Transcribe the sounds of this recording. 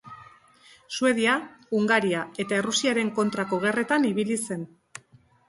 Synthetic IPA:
sue̞ð̞iauŋɡaɾiae̞t̪ae̞rusiaɾe̞ŋko̞nt̪ɾako̞ɣ̞e̞re̞t̪aniβilise̞n

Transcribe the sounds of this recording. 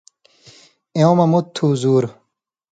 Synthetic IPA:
eõmɐmut̪ʰːuːzuːɾ

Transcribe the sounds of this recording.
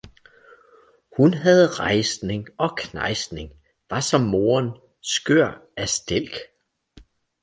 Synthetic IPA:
hunɦæð̞̩ˠʁɑ̈ɪsne̝ŋɒ̽kʰnɑ̈ɪsne̝ŋ | ʋɑ̈sɒ̽mːo̝ːɐn | sɡ̥øɐ̰æsd̥el̰ɡ̥

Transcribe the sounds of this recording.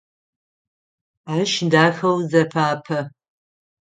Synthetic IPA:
aːʃdaːxɐwzɐpʰaːpʰɐ

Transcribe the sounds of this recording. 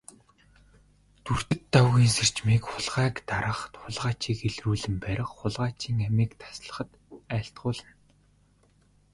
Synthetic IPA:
t̪ur̥t̪ɘ̆t̪ːawɣiːŋser̥t͡ɕmiːkχʊɮʁæːkt̪aɾə̆χt̪χʊɮʁaːt͡ɕiːkeɮruːɮɘ̆mpæɾʲɪ̆χχʊɮʁaːt͡ɕiːŋæmiːkt̪ʰḁsɮə̆χə̆t̪ | æːɬt̪̚ɢʊːɮə̆n

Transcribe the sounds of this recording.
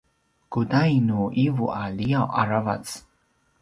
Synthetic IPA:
kud̪ajnuːʔivuʔalʲijawʔaɾava̰t̪s

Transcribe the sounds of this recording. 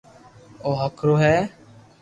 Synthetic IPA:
oːɦəkʰɾoːɦɛː

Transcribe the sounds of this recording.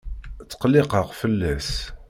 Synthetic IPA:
t͡sːə̥qəlɪqəʁfəlːæs

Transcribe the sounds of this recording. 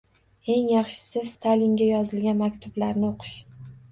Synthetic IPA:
e̞ŋjɑχʃɪ̥sɪst̪ʰalɪŋɡʲajɒzɪlɡʲanmakʲt̪ʰʊblaɾnɪoqʰɨ̥ʃ

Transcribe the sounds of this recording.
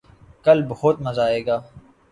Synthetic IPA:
kəlbəɦʊt̪məzaːeːɡaː

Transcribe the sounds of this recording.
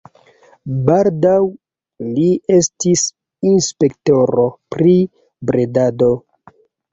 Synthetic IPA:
baldaw | lie̞stis | inspe̞kto̞ɾo̞pɾi | bɾe̞dado̞

